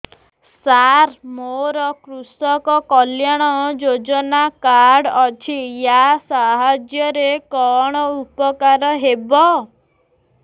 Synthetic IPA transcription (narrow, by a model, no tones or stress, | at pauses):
saɾmoɾɔkɾusɔkɔkɔljaɽ̃ɔd͡ʒod͡ʒɔnakaɾɽɔt͡ʃʰijasaɦad͡ʒjɔɾekɔɽ̃ɔupɔkaɾɔɦebɔ